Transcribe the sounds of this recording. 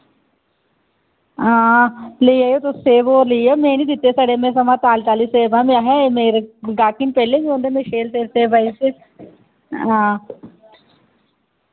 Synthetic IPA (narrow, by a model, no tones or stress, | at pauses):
ãːləiːaːjoːt̪oːseːʋoːɾləiːaːmɛ̃ːnĩːd̪ɪt̪ːeːsaːɖeːmẽːsəmãːt̪aːlt͡ʃaːliːseːbãːmẽaɦɛ̃ːemeːɾɡaːkɪnpɛːleːbiːõːnd̪eːmɛ̃ːʃeːlseːɾseːbaːisiː | ãː